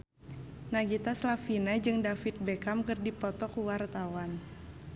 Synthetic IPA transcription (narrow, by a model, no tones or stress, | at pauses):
naɡit̪aslafinad͡ʒɨŋdafit̪̚bɛkamkɨrdipɔt̪ɔkuwart̪awan